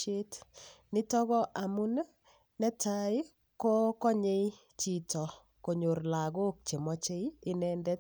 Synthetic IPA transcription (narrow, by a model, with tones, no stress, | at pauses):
e˦tnɪ˦tɔ˦ɣɔ˦ʔa˨mu˦n˦ | nɛ˦ta˦ɪ˦ | ko˦kɔ˦ɲe˦i | t͡ʃi˨tɔ˨ | ko˨ɲo˨rla˨ɡo˦k̚t͡ʃe˨mɔ˦t͡ʃe˦iɪ˦nɛndɛ˦t